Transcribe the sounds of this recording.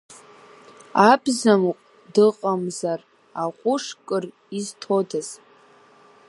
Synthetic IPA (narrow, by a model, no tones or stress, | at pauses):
abzamqʷʼ | dɨqʼamzar | aqʷʼʊʂkʼɨr | iztʰo̞daz